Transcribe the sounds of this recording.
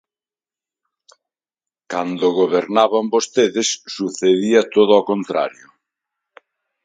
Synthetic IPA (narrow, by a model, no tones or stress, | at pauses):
kand̪ʊɣoβeɾnaβambost̪eðesːuθeðiɐt̪oðɔkont̪ɾa̰ɾjʊ